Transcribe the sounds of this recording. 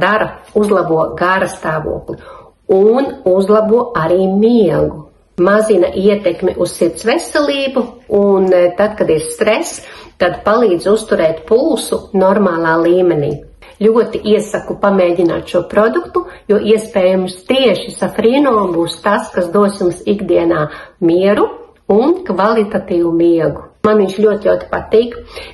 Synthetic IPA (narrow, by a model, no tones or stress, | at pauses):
d̪aɾɐuzlˠabuɔɡaɾɐst̪aːʋṵɔklˠi | unuzlˠabuɔaɾiːmiɛɡu | mazina̰ʔiɛt̪ɛkmʲḭʔussiɾt̪sʋesɛlˠiːbuunt̪ad̪kad̪iɾst̪ɾɛst̪ad̪palˠiːd̪zust̪uɾɛːt̪pulˠsunɔɾmaːlˠaːlˠiːmɛnḭː | lʲuɔt̪iʔiɛsakupamɛːɟʲina̰ːt̪ʃuɔpɾɔd̪ukt̪ujuɔːʔiɛspɛːjumst̪iɛʃisafɾiːnoːmbuːst̪askasd̪uɔsjumsiɡd̪iɛnaːmiɛɾu | unkvalˠit̪at̪iːʋumiɛɡumanʋiɲʲt͡ʃlʲuɔt̪lʲawt̪i̥pat̪iːk